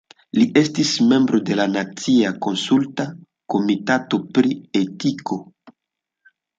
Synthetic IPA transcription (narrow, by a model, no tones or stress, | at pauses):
liʔe̞stisme̞mbɾo̞de̞lanat͡siako̞nsulta | ko̞mitato̞pɾietiko̞